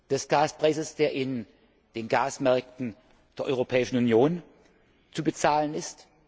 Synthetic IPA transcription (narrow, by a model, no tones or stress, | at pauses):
d̥ɛsɡ̥aːspʁ̥aɪsəsd̥eːɐʔɪn | d̥eːnɡaːsmɛɐk̚tn̩ | d̥eːɐʔɔ̰ʏʁopʰɛːɪʃn̩unjoːn | t͡subət͡saːlənɪst